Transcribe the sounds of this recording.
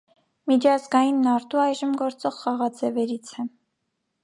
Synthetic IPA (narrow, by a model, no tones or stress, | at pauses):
mit͡ʃʰɑzɡɑjinːɑɾt̪uɑjʒəmɡɔɾt͡sɔʁχɑʁɑd͡zɛvɛɾit͡sʰɛ